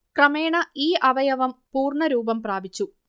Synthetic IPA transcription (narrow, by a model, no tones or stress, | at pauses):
krɐme̞ːɳɐiːʔɐʋɐjɐʋɐmpuːrɳɐɾuːbɐmpraːbit͡ɕːu